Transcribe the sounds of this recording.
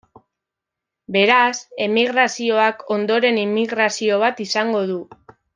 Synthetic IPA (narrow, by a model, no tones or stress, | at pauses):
be̞ɾase̞miɣɾasio̞akʰo̞nd̪o̞ɾe̞nimiɣɾasio̞β̞at̪isaŋɡo̞ðu